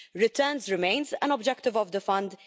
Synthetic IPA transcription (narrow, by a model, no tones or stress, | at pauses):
ɾɪt̪ɛːnzɾɪmẽjnzɐ̃nɔbd͡ʒɛkt̪ɪvɔvd̪əfɐ̃nd̪